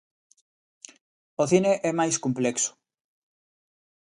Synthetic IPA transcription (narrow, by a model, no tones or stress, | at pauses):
oθineʔɛmajskumplɛkso̥